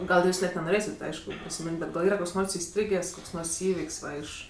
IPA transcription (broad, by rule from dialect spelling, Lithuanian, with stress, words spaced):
ɡɐlˠ ˈjuːs nʲɛt nʲɛnoːˈrʲeːsʲɪt ˈɐɪʃkʊ pʲrʲɪsʲɪˈmʲɪnʲtʲ ˈbʲɛt ɡɐlˠ ˈiːrɐ ˈkoːks ˈnoːrs ɪˈsʲtʲrʲiːɡʲeːsʲ ˈkoːks ˈnoːrs ˈiːʋʲɪkʲsʲ ˈʋɐ ɪʃ